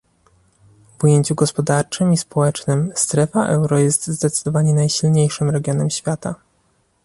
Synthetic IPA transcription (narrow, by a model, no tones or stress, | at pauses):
vujeɲt͡ɕuɡɔspɔd̪aɾt͡ʂɘmispɔwɛt͡ʂnɘmst̪ɾɛfaʔɛwɾɔjɛst̪zd̪ɛt̪sɘ̥d̪ɔvaɲɛnajɕilɲejʂɘmɾɛɡʲjɔnɛmɕfʲjat̪a